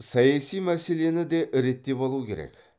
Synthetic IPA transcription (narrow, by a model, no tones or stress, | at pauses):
sɑjɑsijmæse̞le̞nɪd̪eʔɪɾe̞t̪ːe̞bolˠukʲʰe̞ɾḛkʲ